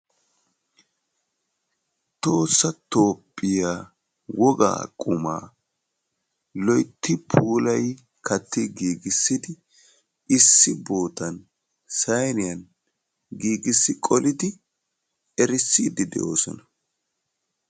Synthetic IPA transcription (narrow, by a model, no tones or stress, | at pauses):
t̪o̞ːsːɐt̪o̞ːpʼːɪjaː | wɔɡa̰ːkʼʊma̰ː | lɔjt̪ːɪpʰuːlɐj | kʰɐt̪ːɪɡiːɡɪsːɪd̪ɪ | ʔɪsːɪbo̞ːt̪ɐn | sɐjnɪjɐn | ɡiːɡɪsːɪkʼɔlɪd̪ɪ | ɛɾɪsːiːd̪ɪd̪ɛ̰ʔo̞̰ːsɔnɐ